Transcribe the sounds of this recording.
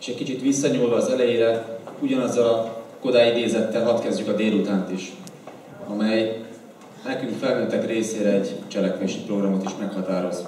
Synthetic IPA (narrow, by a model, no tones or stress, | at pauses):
e̥ːʃɛckit͡ʃit̪ʋisːɒɲulvɒːzɛlɛjeːɾɛuɟɒnɒzːɒlɒko̞d̪aːjid̪eːzɛt̪ːɛlɦɒt̪kɛzɟykɒd̪eːlut̪aːnt̪iʃ | ɒ̰mɛj | nɛkyŋkfɛlnøːt̪ːɛkreːseːɾɛɛɟt͡ʃɛlɛkʋeːʃipro̞ɡrɒmo̞t̪iʃmɛkhɒt̪aːɾo̞z